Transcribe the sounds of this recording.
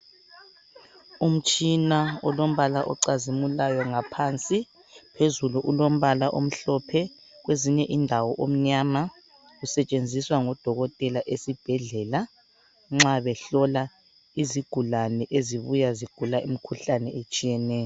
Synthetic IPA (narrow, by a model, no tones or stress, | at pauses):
um̩t͡ʃʼinaɔlom̩βalaʔɔ̰ǀazimulajɔŋapʰant͡sʼi | pʰezuluʔulom̩βalaʔom̩ɬɔpʰɛ | ɣweziɲɛʔindʱawɔʔom̩ɲaːma | ɣusɛt͡ʃʼend͡zʱiswaŋɔd̥ʱɔɣɔtʼɛlaʔesib̥ʱɛɮɛla | ŋ͡ǁaβɛɬɔla | iziɡ̥ʱulanɛʔeziβujaziɡ̥ʱulaʔimikʰuɬanɛet͡ʃʼijɛnɛːjɔ